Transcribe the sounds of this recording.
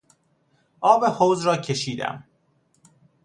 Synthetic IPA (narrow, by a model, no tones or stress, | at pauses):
ʔɒːbehoːwzɾɒːcʰe̞ʃiːd̪æ̰m